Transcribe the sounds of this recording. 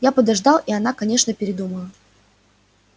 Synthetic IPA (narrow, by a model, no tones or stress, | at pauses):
japəd̪ɐʐd̪ɑlˠiɐnakɐnʲe̞ʂnəpʲɪɾʲɪd̪uməlˠə